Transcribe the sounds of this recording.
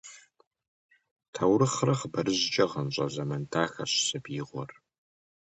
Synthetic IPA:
tʰɐwrɨχrɐχbɐrɨʑt͡ʃʼɐʁɐnɕʼɐzɐmɐntʰaːxɐɕsɐbiːʁʷɔ̰r

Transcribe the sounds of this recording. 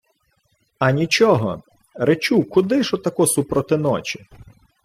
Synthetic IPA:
ɐnʲit͡ʃɔɦɔ̰ | ɾet͡ʃukʊd̪ɪʃɔt̪ːɐkɔsupɾɔt̪ɪnɔt͡ʃʲɪ̥

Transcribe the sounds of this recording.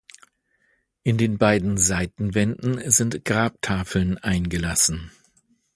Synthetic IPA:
ʔɪndeːnbaɪdn̩zaɪtn̩vɛndn̩zɪntɡ̥ʁaːp̚tʰaːfl̩nʔaɪnɡəlasn̩

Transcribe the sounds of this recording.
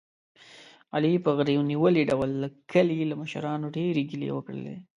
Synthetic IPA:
alipəɣɾewniwəliɖawəlːəkʰəlilaməʃa̰ɾɑnoɖeɾeɡilḛwəkɽə̰lḛ

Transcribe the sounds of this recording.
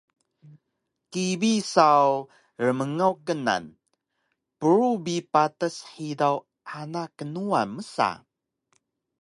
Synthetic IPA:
kibisaw | rəməŋawkəna̰n | pəɾubipatəsħidaw | ʔanakːənuanməsa̰

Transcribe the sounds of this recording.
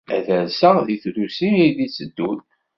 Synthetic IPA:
æ̰ðælsəðiθɾusiiðisəd̪ːun

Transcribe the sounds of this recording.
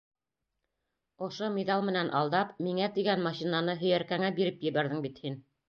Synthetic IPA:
ŏʃomʲed̪ɑlˠmɘ̆nænʔɑlˠd̪ɑpmiŋæt̪iɡænmɑɕinɑnɤɦɵ̆jæɾkæŋæbiɾɘpjɘ̆βæɾðɘŋbit̪hin

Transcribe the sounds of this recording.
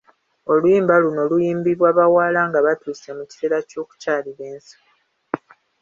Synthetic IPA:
o̞lujiːmbaluno̞lujiːmbiβwaːβawaːlaŋɡaβatuːsemuci̥te̞ːɾaco̞ːku̥caːliɾe̞ːnsi̥

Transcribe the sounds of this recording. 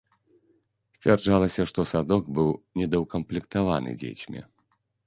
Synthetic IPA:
sʲt͡sʲard͡ʐalˠɐsʲɐʂt̪ɔsad̪ɔɡbɨwnʲɛd̪ɐwkɐmplʲɛkt̪ava̰nɨ̰d͡zʲḛt͡sʲmʲḭ

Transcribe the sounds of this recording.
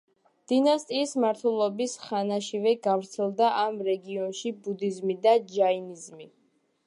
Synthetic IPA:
d̪̥inast̪ʼiːsmaɾt̪ʰwɛlˠɔbisχanaʃivɛɡavɾt̪sʰɛlˠd̪aʔamɾɛɡiɔnʃibud̪izmid̪ad͡ʒainizmi

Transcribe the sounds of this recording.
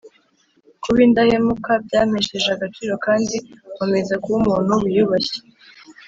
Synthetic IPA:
kuβindahemukabɟaːmeʃeʒeaɡat͡ʃiːɾo̞kaːndikome̞zakuβumuːn̥huβujuβaçe̥

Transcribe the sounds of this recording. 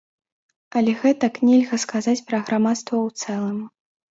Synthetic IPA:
ɐlʲɛɣɛt̪ɐknʲɛlʲɣɐskazat͡sʲpɾɐɣɾamat̪st̪vɐwt̪sɛlˠɐm

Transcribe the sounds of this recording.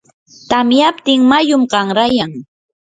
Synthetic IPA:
t̪amjapt̪ɪŋmajʊmɢɑŋɾajaŋ

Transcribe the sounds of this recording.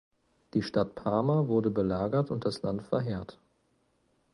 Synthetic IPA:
d̥iːʃtatpʰaɐmavʊɐdəbəlaːɡɐtʊnt̚d̥aslantfɛɐɦeːɐt

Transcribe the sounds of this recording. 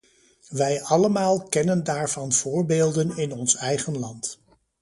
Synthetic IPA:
ʋɛjɑləmaːlˠkɛnəndaːɹvɑnv̥ʊːɹbeːlˠdənɪnɔnsɛjχənlɑnt

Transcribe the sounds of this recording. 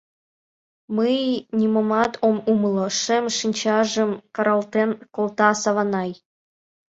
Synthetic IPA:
məjnʲimomɑt̪ʰomumloʃemʃinʲt͡ɕɑʒə̆mkɤɾɑlt̪enkolt̪ɑsɑβɑnɑj

